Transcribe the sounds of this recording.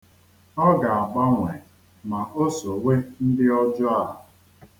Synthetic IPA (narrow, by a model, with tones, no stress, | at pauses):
ɔ˦ɡa˨a˨ɡ͡ba˦ŋʷe˨ | ma˨ʔo˦so˨we˦n̩˦dɪ˦ɔ˦d͡ʒʊ˦a˦ɦa˨